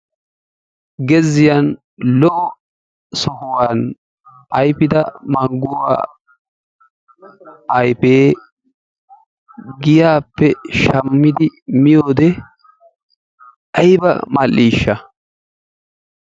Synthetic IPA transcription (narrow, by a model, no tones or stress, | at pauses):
ɡɛzɪjan | lɔ | sɔhʊwaːn | ɐjpɪd̪ɐmɐŋɡʊwa̰ː | ɐjpeː | ɡɪjaːpːɛʃɐmːɪd̪ɪmɪjoːd̪ɛ | ɐjbɐ̰mɐlːiːʃːɐ